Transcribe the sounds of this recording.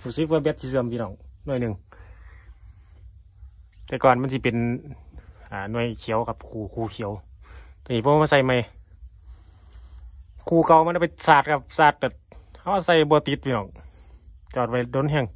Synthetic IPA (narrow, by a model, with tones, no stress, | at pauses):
tuː˧˩sɯ˧˥k̚aː˧bɛ˧˥t̪̚si˧s̬ɯ˧əmpʰi˧nɔː˧˨ŋnu˧˨jnɯ˨˩ŋ | t̪ɛː˧kɔː˨nma˧˥˨nsi˧pe˨n | ʔaː˨˩nu˧˩əjkʰi˨˧˦ə˦wka˧p̚kʰuː˧˩kʰuː˧˩kʰi˨˦ə˦wt̪ɔ˧˨niː˧˩pʰɔː˧a˧˨sa˧˩jma˧˩j | kʰuː˧˩ka˧˩wma˧˨ka˧˩pa˧saː˧˩t̪̚ka˧p̚saː˧˩t̪̚ka˧˩ha˧wa˧sa˧˩jbɔː˧˦t̪i˧˦t̪̚pʰiː˧nɔː˧˩ŋ | t͡ɕɔː˧˩t̪̚ʋa˧˩do˧˥˦nɦɛ˧˨ŋ